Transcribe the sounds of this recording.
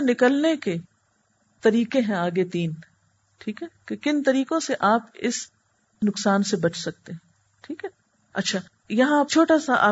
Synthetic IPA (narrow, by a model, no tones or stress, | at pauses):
nɪkəlneke | t̪ɐɾiːkeɦɛ̃aːɡet̪iːn | ʈʰiːkɦɛkekɪnt̪ɐɾiːkõseʔaːpɪ̰s | nʊksaːnsebɐt͡ʃʰsɐk̚t̪eɦɛ̃ | ʈʰiːkɦɛ | ɐ̰tːʃʰaː | jɐɦãaːp̚t͡ʃʰoːʈasaʔa̰ː